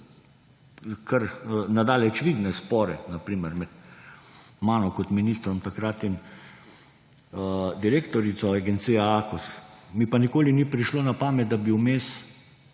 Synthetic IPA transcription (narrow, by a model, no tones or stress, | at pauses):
kʰəɾnad̪aːlɛt͡ʃʋid̪nɛspɔːɾɛnapɾiːməɾmɛt̪ | maːnɔkɔt̪miniːst̪ɾɔmt̪akɾat̪in | d̪iɾeːkt̪ɔɾit̪sɔaɡɛnt̪sijaakusmipanikoːlinipɾiʃloːnapaːmɛt̪̚d̪abiwmeːs